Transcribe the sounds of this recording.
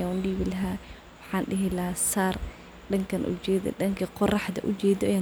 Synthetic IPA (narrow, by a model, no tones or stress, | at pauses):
aːʊnɖiːβɪlɐɦaː | wɑħɑːnɖɪɦɪlɐsaːr | ɖɐŋkʰɐnʔʊ̰t͡ʃɛːðɔ̰ɗɐŋkʰɐqɔrɑħd̪ɐ̰ʔʊt͡ʃɛːðɔʔɛjaː